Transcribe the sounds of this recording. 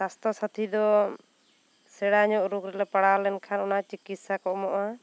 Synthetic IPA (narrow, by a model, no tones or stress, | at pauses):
sast̪ɔsat̪ʰid̪ɔ | sɛɽaɲɔʔɾukɾɛlɛpaɽalɛnkʰanɔnat͡ʃikit̪sakɔʔmɔʔa